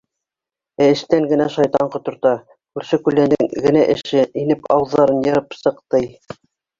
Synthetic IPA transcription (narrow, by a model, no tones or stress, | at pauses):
æɘ̆ʃt̪æŋɡɘ̆næʃɑjt̪ɑɴqŏt̪ŏɾt̪ɑ | kʉɾʃɘkʉlːænɘŋɡɘ̆næʔɘ̆ʃɘinɘpɑwðːɑɾɤnjɤ̆ɾɤpsɤ̆qt̪ɤj